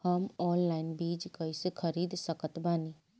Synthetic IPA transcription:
hɐmɔːnlaːɪnbiːd͡ʒkɐisekʰəɾiːd̪səkət̪baːniː

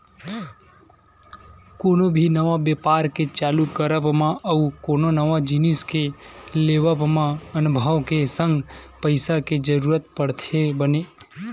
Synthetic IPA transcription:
konobʱinəʋãʋepaɾket͡ʃalukəɾəbmãʔəukononəʋãd͡ʒiniskeleʋəbmãənbʱəʋkesə̃ŋɡpəjsaked͡ʒəɾuɾət̪̚pəɽt̪ʰebəne

